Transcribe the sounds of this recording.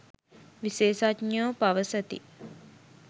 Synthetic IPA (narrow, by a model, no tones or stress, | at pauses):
ʋiseːsatɲoːpaʋəsət̪ḭ